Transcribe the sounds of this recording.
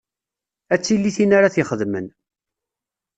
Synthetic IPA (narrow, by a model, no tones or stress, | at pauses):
æt͡sːilːiθinaɾaθɪχəðmən